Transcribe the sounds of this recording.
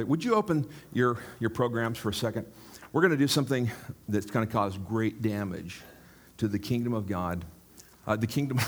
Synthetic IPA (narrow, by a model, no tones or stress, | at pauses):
wəd͡ʒɨoʊpɨ̃njə˞jə˞pʰɹ̥oʊɡɹæ̃mz̥fə˞ɨsɛkɨ̃nd̚ | wɨɹɡʌnɨdɨsʌ̃mθɪ̃ŋðɨt̚kʰãɪ̃ndɨkʰɔzɡɹeɪt̚d̥æ̃mɪ̰d̥ʒ̥ | tʰɨðɨkʰɪ̃ŋdɨ̃mʌvɡɑd̚ | ðɨkʰɪ̃ŋdɨ̃m